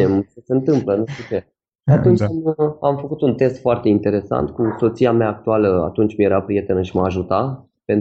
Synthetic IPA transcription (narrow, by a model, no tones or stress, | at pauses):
emsəseɨnt̪ɨmplənuʃt̪ut͡ʃe̞ | at̪unt͡ʃʲkɨnamfəkut̪unt̪e̞st̪foart̪e̞int̪e̞ɾe̞sa̰nt̪kuso̞t̪sijameaːk̚t̪ualəa̰t̪unt͡ʃʲmijeɾapɾije̞t̪enəɨʃiməaʒut̪a | pe̞n